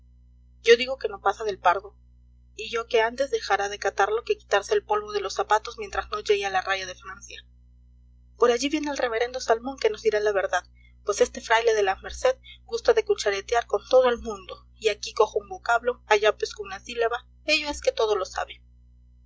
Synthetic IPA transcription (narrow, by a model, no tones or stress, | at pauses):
ɟ͡ʝo̞ðiɣo̞ke̞no̞pasaðe̞lpaɾðo̞ | iʝo̞ke̞ant̪e̞zðe̞xaɾaðe̞kat̪aɾlo̞ke̞ki̥t̪aɾse̞ːlpo̞lβo̞ð̞e̞lo̞sapat̪o̞zmjent̪ɾazno̞ʝeialaraʝað̞e̞fɾansja | po̞ɾaʝiβje̞neelre̞βe̞ɾe̞nd̪o̞salmo̞ŋke̞no̞zðiɾalaβe̞ɾðað | pwe̞se̞st̪e̞fɾajle̞ðe̞lame̞ɾse̞ðɡust̪aðekut͡ʃaɾet̪jaɾko̞nt̪o̞ð̞oe̞lmũnd̪o | iakiko̞xoumbo̞kaβlo̞aʝapeskunasilaβa | e̞ʝo̞e̞sket̪o̞ð̞o̞lo̞sa̰βe̞